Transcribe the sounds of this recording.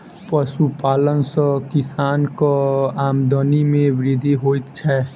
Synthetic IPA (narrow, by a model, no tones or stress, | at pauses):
pəsupalənsə̃kisankɔamd̪ənimebɾid̪ʱiɦojt̪t͡ʃʰɛ